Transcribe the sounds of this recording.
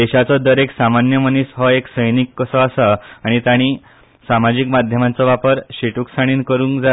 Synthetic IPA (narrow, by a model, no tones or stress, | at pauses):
d̪eɕat͡sɔd̪əɾeksamanjəmənisɦɔeksəjnikːəsɔasaaɽ̃it̪aɽ̃i | samad͡ʑikmad̪ʱjəmãnt͡sɔʋapəɾɕiʈuksaɽ̃iːnkəɾuːŋkd͡za